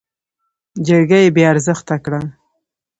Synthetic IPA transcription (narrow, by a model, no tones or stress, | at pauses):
d͡ʒəɾɡajebeaɾzəxt̪akɽa